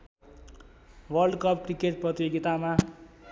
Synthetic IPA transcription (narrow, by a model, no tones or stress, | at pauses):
wʌrɖkʌp̚krikeʈ̚prʌt̪joɡit̪ama